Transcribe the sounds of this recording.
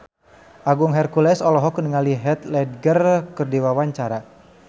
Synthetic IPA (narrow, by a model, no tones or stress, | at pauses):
ʔaɡuŋɦɛrkulɛsɔlɔɦɔkənəŋaliɦɛt̪lɛd̚ɡərkərdiwawaɲt͡ʃaɾa